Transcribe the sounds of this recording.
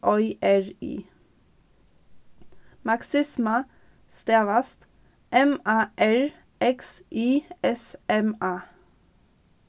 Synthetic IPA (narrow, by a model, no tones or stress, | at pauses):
ʔɔʏʔæɹḭː | mɑksɪsmə | st̪eːʋɑst̪ | ʔɛmɑːʔæɹ | ʔɛksʔiːɛsɛmɑː